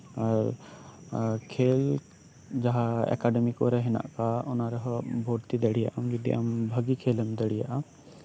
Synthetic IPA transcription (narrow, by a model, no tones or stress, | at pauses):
aɾ | kʰeːl | d͡ʒaɦaɛ̰kaɖɛmikoɾɛɦɛna̰ʔkaʊnaɾɔɦɔbʱoːɽt̪id̪eɽija̰ʔamɡid̪ḭʔa̰mbʱɐɡikʰeːlɛmd̪əɽija̰ʔam